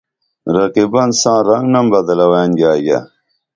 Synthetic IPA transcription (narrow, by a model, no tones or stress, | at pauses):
ɾɐqibɐnsãːɾɐŋɡnɐmbɐd̪ɐlɐweːnɡaːja̰